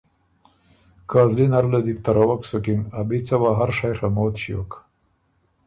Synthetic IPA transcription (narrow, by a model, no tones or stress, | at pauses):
kɑːzlinaɾlad̪ik̚t̪aɾawaksokimabit͡sawaɦaɾʂajɾamoːt̪ɕijo̰k